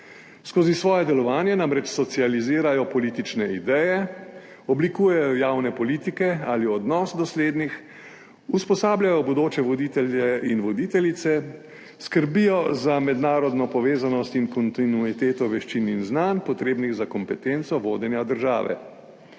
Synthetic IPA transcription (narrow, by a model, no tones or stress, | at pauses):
skoːzisʋɔːjɛd̪ɛlɔʋaːnjɛnamɾɛt͡ʃsɔt̪sializiːɾajɔpɔliːt̪it͡ʃnɛid̪ɛjɛ | ɔblikuːjɛjɔjaːwnɛpɔliːt̪ikɛaliɔd̪nɔːsd̪ɔsleːd̪nix | uspɔsaːbljajɔbɔd̪oːt͡ʃɛʋɔd̪iːt̪ɛljɛinʋɔd̪it̪ɛlʲit̪sɛ | skəɾbijɔzamɛd̪naːɾɔd̪nɔpɔʋeːzanɔst̪inkɔnt̪inuit̪eːt̪ɔʋɛʃt͡ʃininznanpɔt̪ɾeːbniɣzakɔmpɛt̪ent̪sɔʋoːd̪ɛnjad̪əɾʒa̰ːʋɛ̰